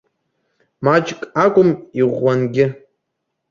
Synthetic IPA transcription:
mat͡ʃʼkʼakʷʼʊmiʁʷːanɡʲɪ

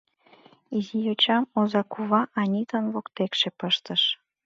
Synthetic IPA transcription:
izijot͡ɕɑmozɑkuβɑʔɑnʲit̪ənβokt̪ekʃepəʃt̪əʃ

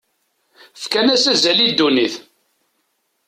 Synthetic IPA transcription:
fkænæsæzælid̪ːuniθ

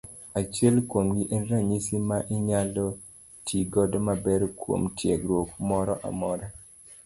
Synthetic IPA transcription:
at͡ʃɛlkwomɡiʔɛnɾaɲisimaʔɪɲalɔ | tʰiɡɔdɔmabɛɾkwo̰mtjɛɡɾwokmɔɾɔʔa̰mɔɾa

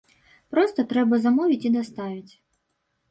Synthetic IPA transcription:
pɾɔst̪ɔt̪ɾɛbɐzɐmɔʋʲitʲid̪ɔst̪ɑʋʲɪtʲ

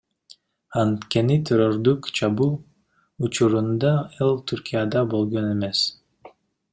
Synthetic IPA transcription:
ɑnt̪ke̞nit̪ʲʰeɾoɾd̪ukt͡ʃʰɑbu | ut͡ʃuɾund̪ɑɑlˠt̪ʲʰyɾkʲijad̪ɑbo̞lˠɡo̞ne̞me̞s

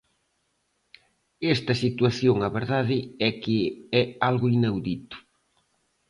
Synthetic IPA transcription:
ɛst̪ɐsit̪waθjoŋɐβeɾðaðɪɛkɪɛalɣʊinawðit̪ʊ̥

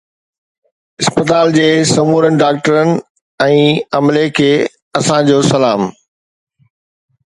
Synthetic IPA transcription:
ɪspət̪aːld͡ʑeːsɐmuːɾənɪ̆ɖaːkʈəɾənɪ̆ | ɛ̃ːɐmlekʰeː | ɐsãd͡ʑoːsɐlaːm

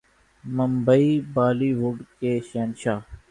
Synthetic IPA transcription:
məmbəiːbaːliːʋʊɖkeːʃeːnʃaː

